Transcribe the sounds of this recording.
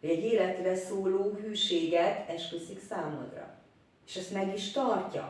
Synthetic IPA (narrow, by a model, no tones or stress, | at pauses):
hoɟɛɟeːlɛt̪rɛsoːloːɦyːʃeːɡɛt̪ʰɛʃkøsiksaːmo̰d̪rɒ̰ | eːʃɛst̪mɛɡiʃt̪ɒrcɒ̰